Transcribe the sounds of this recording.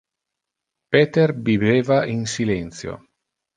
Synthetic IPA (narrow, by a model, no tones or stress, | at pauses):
pet̪erbiveːvainsilɛnt̪sjo̰